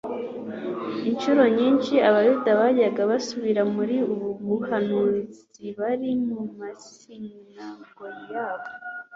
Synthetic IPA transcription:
inʃuɾo̞ɲiːnʃiaβajudaβaɟaɡaβasuβiɾamuɾiuβuβuhanuɾt͡s | iβaɾimumas | iŋaɡoɾijaːβo

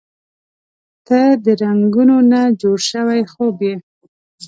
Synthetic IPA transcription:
t̪əd̪əɾaŋɡunonad͡ʒoɽʃəwajxobje

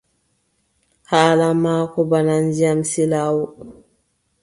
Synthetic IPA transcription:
haːlamaːkɔbanand͡ʒiamsilaːwɔ

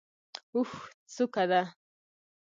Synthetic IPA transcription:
uxt͡sʊkad̪a

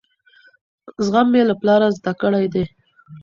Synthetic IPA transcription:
zɣamːelaplɑɾazd̪akəɽajd̪e

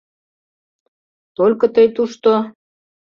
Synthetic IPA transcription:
t̪olʲkɤ̆t̪əjt̪uʃt̪o

